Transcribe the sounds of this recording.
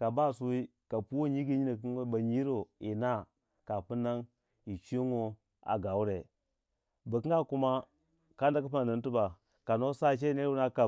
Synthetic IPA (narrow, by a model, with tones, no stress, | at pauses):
ka˨ba˦˨su˦wi˦ka˨pu˦wo˦˨ɲi˦ɡi˦ɲi˦na˨ki˦ba˨ɲi˦ɾo˨i˨na˦ | ka˨pu˦na˦ŋ | i˨t͡ʃi˦ŋo˦ | a̰˨ɡa˨u˦ɾe˨ | ba˨ki˦ɡa˦ku˦ma˦ | ka˦n˦da˦ku˦pa˦˨na˨n˦tu˦ba˨ | ka˨no˦sa˦˨t͡ʃ̬e˦ne˦ɾu˦na˦ka˨